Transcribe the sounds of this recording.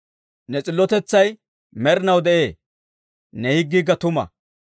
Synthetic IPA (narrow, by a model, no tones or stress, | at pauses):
nɛt͡sʼɪlːɔt̪ɛt͡sːɐj | mɛɾɪnɐwd̪ɛʔeː | nɛhɪɡːiɡːɐt̪ʊmɐ̰